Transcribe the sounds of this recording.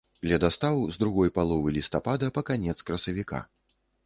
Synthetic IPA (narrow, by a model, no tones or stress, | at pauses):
lʲɐd̪ast̪avɨzd̪ɾuɣɔjpalˠɔvɨlʲist̪apad̪ɐpɐkanʲɛt̪skɾɐsɐvʲika̰